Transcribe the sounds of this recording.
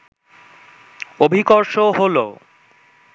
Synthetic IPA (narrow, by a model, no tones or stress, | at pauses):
obʱikoɾʃoɦolo̰